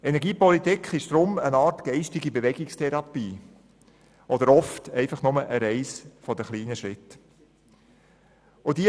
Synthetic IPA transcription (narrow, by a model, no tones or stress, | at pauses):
ɛnɛɾɡiːpɔlitikχɪʃd̥ɾʊmənɑːtɡ̥ɛɪʃtɪɡibevɛɡ̥ɪkstʰɛɾɑpiː | ʔɔdəɾɔftɛɪfɑχnʊməʔəɾɛɪsfɔdəχliːnəʃɾɪt | od̥i